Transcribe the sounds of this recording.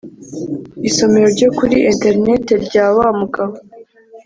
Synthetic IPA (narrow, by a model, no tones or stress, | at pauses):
iso̞me̞ɾo̞ɾɟo̞kuɾiʔente̞ɾne̞te̞ɾɟaːβaːmuɡaβo